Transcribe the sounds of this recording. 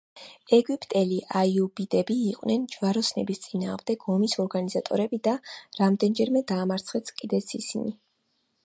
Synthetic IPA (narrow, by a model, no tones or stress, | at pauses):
ɛɡipʼt̪ʼɛliʔaiubid̪ɛbiːqʼwnɛnd͡ʒvaɾɔsnɛbist̪sʼina̰ːʁmd̪ɛɡɔmisɔɾɡanizat̪ʼɔ̰ɾɛbid̪aɾamd̪ɛnd͡ʒɛɾmɛd̪aːmaɾt̪sʰχɛskʼid̪ɛt̪sʰḭsḭni